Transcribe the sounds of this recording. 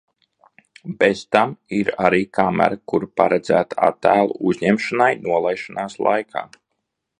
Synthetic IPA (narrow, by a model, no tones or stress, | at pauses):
bez̥t̪amiɾaɾiːkʰamæ̰ɾakuɾpaɾɛd̪zæ̰ːt̪aa̰t̪ːæːlˠṵuzʲɲɛmʃanajnuɔlˠajʃanaːslˠa̰jkʰa̰ː